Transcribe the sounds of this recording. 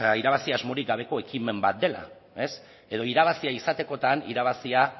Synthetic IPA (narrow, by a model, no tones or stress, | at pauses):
iɾaβ̞asiazmo̞ɾik̚ɡaβ̞e̞ko̞e̞kime̞mbat̪̚d̪e̞la̰ | e̞s | e̞ð̞o̞iɾaβ̞asiaisat̪e̞ko̞t̪anḭɾaβ̞asia